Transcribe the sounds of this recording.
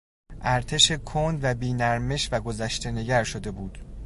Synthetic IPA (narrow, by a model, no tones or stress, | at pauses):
ʔæɾt̪ʰe̞ʃe̞kʰond̪væbiːnæɾme̞ʃvæɡo̞zæʃt̪e̞ne̞ɟæɾʃod̪e̞buːd̪̥